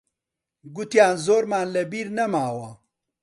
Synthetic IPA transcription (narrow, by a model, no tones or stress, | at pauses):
ɡut̪jaːnzoːɾmaːnlɐbiːɾnɐmaːwɐ